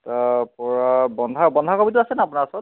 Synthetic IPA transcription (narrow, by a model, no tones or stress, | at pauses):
tapɔɹabɔndʱabɔndʱakobit̬ʊasɛnaapunasɔt̚